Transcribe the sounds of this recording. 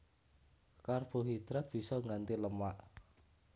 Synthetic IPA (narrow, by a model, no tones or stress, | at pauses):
karb̥o̤ɦid̪̥ɾɛt̪̚b̥i̤sɔŋant̪iləmaʔ